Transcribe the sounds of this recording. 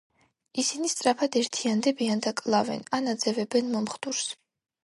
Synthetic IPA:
isinist̪sʼɾapʰad̪ɛɾt̪ʰiand̪ɛbiand̪akʼlˠavɛ̰nanad̪zɛvɛbɛnmɔmχd̪uɾs

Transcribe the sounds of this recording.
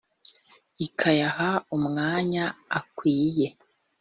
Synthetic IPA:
ikʰajahaumŋaːɲaːkwiːje̞

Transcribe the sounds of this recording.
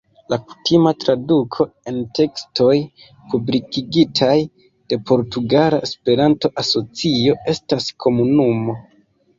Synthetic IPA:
laku̥timatɾadukʰo̞e̞ntʰe̞ksto̞j | publikiɡitʰaj | d̥e̞pʰo̞ɾtuɡalaʔespe̞ɾanto̞ʔaso̞t͡sio̞e̞staskʰo̞munumo̞

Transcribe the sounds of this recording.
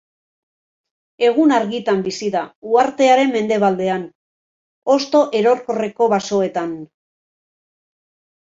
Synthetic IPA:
e̞ɣ̞unaɾɣit̪ambisiðauaɾt̪e̞aɾe̞mːe̞nd̪e̞β̞ald̪e̞an | o̞st̪o̞ʔe̞ɾo̞ɾko̞re̞ko̞βaso̞et̪an

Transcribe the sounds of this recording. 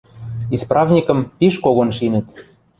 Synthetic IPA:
isprɑvnʲikɤ̆mpiʃkoɣonʃinɘ̆t̪

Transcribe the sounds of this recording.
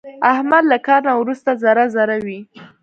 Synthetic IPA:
ahmad̪lakɑɾnawɾust̪azaɾazaɾawi

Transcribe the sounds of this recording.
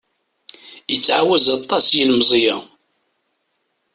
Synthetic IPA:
jət͡sːʕawæzɑt̪ˤːɑsjilmzˤjæ

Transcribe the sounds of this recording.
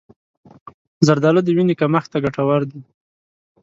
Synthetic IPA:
zaɾd̪ɑlod̪əwinikamaxt̪aɡaʈawaɾd̪i

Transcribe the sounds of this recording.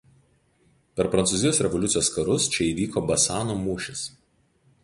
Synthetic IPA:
pʲɛɾpɾɐnt̪suːzʲɪjoːsɾʲɛʋɔlʲʊt̪sʲjoːskɐɾʊst͡ʃʲɛiːʋʲiːkoːbɐsɑːnoːmuːʃʲɪs

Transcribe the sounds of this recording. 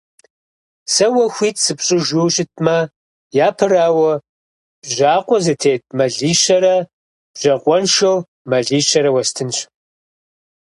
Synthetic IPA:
sɐwɐxʷiːtʰsɨpɕʼɪʒʷuːɕʼɪt̚ʰʼmɐ | jaːpʰɨraːwɐ | b̥ʑaːqʷɔzɨtʰeːt̚ʰʼmɐɮiːɕɐɾɐ | b̥ʒ̥ɐqʷʼɔnʃɐw | mɐɮiːɕɐɾɐwɐstʰɨnɕ

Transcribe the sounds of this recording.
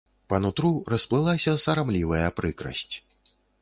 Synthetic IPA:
pɐnut̪ɾurɐsplˠɨlˠasʲɐsɐɾamlʲivɐjɐpɾɨkɾɐ̰sʲt͡sʲ

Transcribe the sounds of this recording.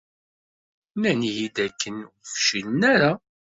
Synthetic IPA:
nænjid̪ækːənfʃinnæɾa

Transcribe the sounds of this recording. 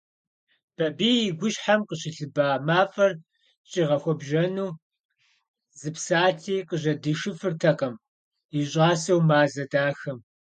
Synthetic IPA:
b̥ɐbiːɡʷʊʃħamqəɕɪɬɨbaːmaːfʼɐr | t͡ʃʼiːʁɐxʷɔbʒɐnuː | zɨpsaːtʰiːqəʑɐdɨʃɨfɨrtʰɐqɐm | iɕʼaːsɐwmaːzɐdaːxɐm

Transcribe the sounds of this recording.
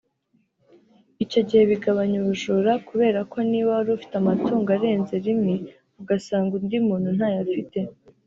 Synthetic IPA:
ico̞ɟihe̞βiɡaβaɲuβuʒuɾakuβe̞ːɾakʰo̞niːβaɾufi̥tamatʰuːŋɡaɾe̞ːnze̞ɾimi | uɡasaːŋɡundimuːnhun̥haːjafite̞

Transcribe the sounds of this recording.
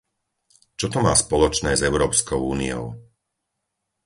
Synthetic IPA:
t͡ʃɔt̪ɔma̰ːspɔlɔt͡ʃnɛːzɛʊɾɔːpskɔʊuːnḭɔ̰ʊ

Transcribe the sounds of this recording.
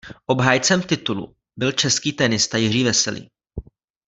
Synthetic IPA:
ʔo̞bɦaːjt͡sɛmt̪ɪt̪ulṵ | bɪlt͡ʃɛskiːt̪ɛnɪst̪ajɪr̝iːvɛsɛlḭː

